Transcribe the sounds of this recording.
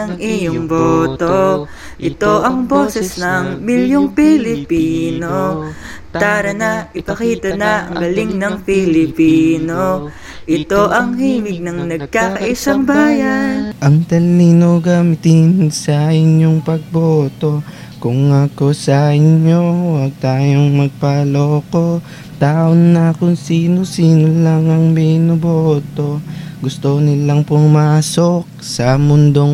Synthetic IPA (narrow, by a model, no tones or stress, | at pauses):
ɐŋʔɪjoŋboːt̪o | ʔɪt̪o̞ʔɐŋbo̞ːsɛsnɐŋmɪljoŋpɪlɪpiːno | paːɾɐnɐʔɪpɐkiːt̪ɐnɐʔɐ̰ŋɡɐlɪŋnɐŋpɪlɪpiːno̞ | ʔɪt̪o̞ʔɐŋhiːmɪɡ̚nɐŋnɐɡ̚kakɐʔɪsɐŋbaːjɐnʔɐŋt̪ɐlːiːnoɡamɪt̪ɪnsɐɪɲjo̞ŋpɐɡ̚bot̪o̞ | kʊŋːako̞sɐʔɪɲo̞wɐɡ̚t̪aːjo̞ŋmɐɡ̚pɐloːko̞ | t̪aːʔonːɐkʊŋsiːnosiːnolaŋɐŋminobot̪o̞ɡʊst̪onɪlaŋpʊmmaːsok̚sɐmʊnd̪oŋ